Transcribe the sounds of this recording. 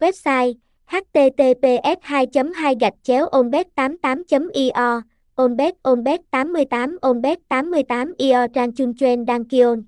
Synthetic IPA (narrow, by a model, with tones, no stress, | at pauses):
wɛ˦˥p̚saː˧j | haː˦˥k̚t̪e˧t̪e˧p̪e˧ʔɛ˦˥p̚haː˧jt͡ɕə˨˦mɦaː˧jɣa˨˩jk̟̚t͡ɕɛ˨˦wʔo˧nɓɛ˦˥t̚t̪aː˨˦mt̪aː˨˦mt͡ɕə˨˦mʔi˧ʔɔ˧ | ʔo˧nɓɛ˦˥t̚ʔo˧nɓɛ˦˥t̚t̪aː˨˦mːɨ˧əjt̪aː˨˦mʔo˧nɓɛ˦˥t̚t̪aː˨˦mːɨ˧əjt̪aː˨˦mʔi˧ʔɔː˧t͡ɕaː˧ŋt͡ɕu˧ŋt͡ɕwe˧nɗaː˧ŋki˧o˧n